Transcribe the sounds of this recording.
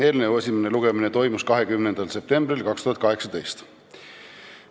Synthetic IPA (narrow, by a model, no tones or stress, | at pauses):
e̞ːlnevue̞sʲimene̞luɡ̥e̞minet̪o̞jmuskɑɦe̞kymnend̪ɑlse̞p̚t̪e̞mbrilkɑkst̪uhɑt̪kɑɦe̞ksɑd̪e̞jst̪